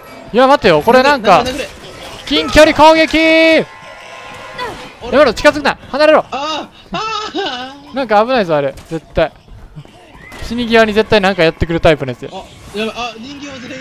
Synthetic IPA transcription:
jamat̪ːejoko̞ɾenãŋkka | kʲĩŋkʲo̞ɾʲiko̞ːɡʲe̞kʲi | jamaɾot͡ɕi̥kazɨkɯnaihanaɾeɾo | nãŋkaːβɯ̟naisoaɾe̞ze̞t̪ːai | ɕiɲ̟iɡʲiβaɲ̟ize̞t̪ːainãŋkajat̪ːe̞kɯ̟ɾɯ̟t̪aipɯd̪esɨjo

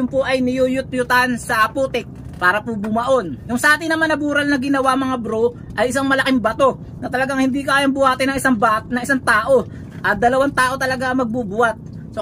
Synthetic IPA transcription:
ʊmpoʔɐjnɪjujʊt̪̚jʊt̪ansɐʔɐpuːt̪ɪk̚ | paːɾɐpubʊmɐʔo̞nːʊŋsɐʔaːt̪ɪnɐmanɐbuːɾɐlnɐɡɪnɐwamɐŋabɾo | ʔɐjɪsaŋmɐlɐkɪŋbɐt̪o̞ | nɐt̪ɐlɐɡaŋhɪnd̪ikaːjambʊhaːt̪ɪnɐŋɪsaŋbanɐŋɪsaŋt̪aːʔo̞ | ʔɐt̪̚d̪ɐlɐwant̪aːʔo̞t̪ɐlɐɡaʔɐmɐɡ̚buːbʊat̪̚ | so

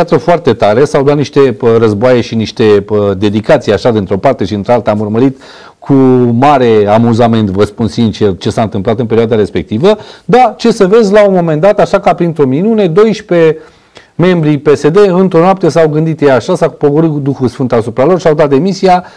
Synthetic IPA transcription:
pjat̪səfoart̪e̞t̪aɾe̞sawd̪at̪niʃt̪e̞ɾəzboajeʃiniʃt̪e̞əd̪e̞d̪ikat̪sijaʃad̪int̪ɾo̞part̪e̞ʃiɨnt̪ɾealt̪əamurməɾit̪ | kʰumaɾe̞amuzame̞nt̪vəspunsint͡ʃert͡ʃe̞saɨnt̪ɨmplat̪ɨnpeɾioad̪aɾe̞spe̞k̚t̪ivəd̪at͡ʃe̞səve̞zʲlaunmo̞me̞nd̪at̪aʃakapɾint̪ɾo̞minune̞d̪o̞jʃpe̞ | me̞mbɾipe̞se̞d̪e̞ɨnt̪ɾo̞noap̚t̪es̬awɡɨnd̪it̪jeaʃasapo̞voɾɨtd̪uxulsfɨnt̪asupɾalo̞rʃiawd̪at̪̚d̪e̞misia

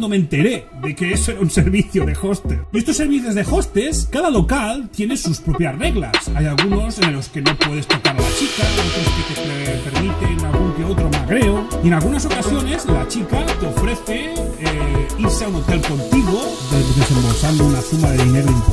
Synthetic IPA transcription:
d̪oment̪e̞ɾe | ðekeesoeɾaunseɾβiθjoðexost̪eest̪osːeɾβiθjozðexost̪eskaðalo̞kalt̪je̞nesuspɾopjasreɣlasajalɣuno̞selo̞skeno̞pwe̞ðest̪okaɾalat͡ʃikaot̪ɾosket̪etepeɾmit̪enalɣuŋkeot̪ɾomaɣɾeoie̞nalɣunaso̞kasjo̞ne̞zlat͡ʃikat̪eo̞fɾeθe | iɾseaunot̪elko̞nt̪iɣo | ed̪e̞se̞mbalθand̪ounaθumaðeðineɾoimp

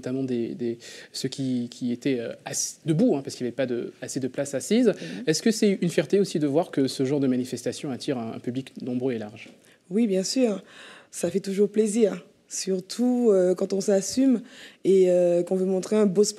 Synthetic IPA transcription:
t̪amɑ̃d̪ed̪esəkʲikʲiet̪ɛøasi̥d̪əbuɛ̃paʁskiljavɛpad̪ə̰ased̪əplasasizɛskəsɛynfjɛʁt̪eosid̪əvwaʁkəsəʒɑ̃ʁd̪əmanifɛst̪asjɔ̃at̪ʰiʁɛ̃ɛ̰̃pybliknɔ̃bʁøelaʁʒ | wibjɛ̃syːʁsafɛt̪uʒuʁpleziːʁ | syʁt̪ʰuøkɑ̃t̪ɔ̃sasymeøkɔ̃vømɔ̃t̪χeɛ̃bosp

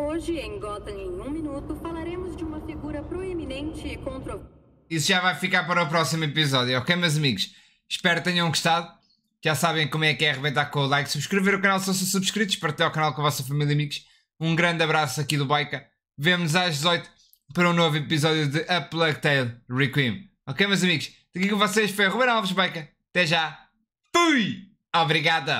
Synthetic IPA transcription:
oʒɪẽj̃ɡɔt̪ɐ̃ẽj̃ũminut̪ʊfalaɾẽmʊzd͡ʒɪumɐfiɡuɾɐpɾoeminẽnt͡ʃɪkõnt̪ɾo | isuʒavajfikaɾpɐɾɐupɾɔsimipizɔðjuɔkɐjmewzɐmiɣʊʃ | ʃpɛɾ̚t̪ɐɲɐũɡuʃt̪aðu | kʒasaβɐ̃j̃komwɛkːɛʁɨβẽjt̪aɾkõulˠajksuβʃkɾɨveɾukɐnalˠsɐ̃w̃sɐ̃suβʃkɾit̪u̥ʃpɐɾt̪ɛawkɐnalˠkõɐvɔsɐfɐmilˠjɐmiɣʃ | ũɡɾɐ̃nd̪ɐβɾasɐkiðuβajkɐ | vemnuzaʒd̪zɔjt̪u̥ | pɐɾũnovipizɔðjuðɨʔɐplˠɐɣt̪ɐjlˠʁikwim | ɔkejmewzɐmiɣuʃ | d̪ɐkikõvɔseʃfojɐʁuβẽnalˠvɨʒβajkɐɐt̪ɛʒa | tuj | ɔβɾiɣaðɐ

